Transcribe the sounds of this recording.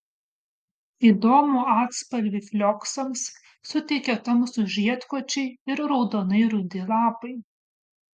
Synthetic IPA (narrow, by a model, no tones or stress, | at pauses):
iːd̪oːmuːɑːt̪spɐlʲʋʲifʲlʲɔksɐmsː | ʊt̪ʲɛɪkʲɛt̪ɐmsʊʒʲiɛt̪koɔt͡ʃʲɛɪɪɾɾɒʊd̪oːnɐɪɾʊd̪ʲɪlˠɑːpɐɪ